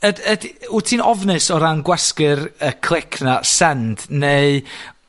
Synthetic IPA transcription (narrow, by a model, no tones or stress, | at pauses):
ədədutʰiːnɔvnɨsɔɾanɡwɛskɨrəkʰlˠɪkʰnasɛnd̥neɨ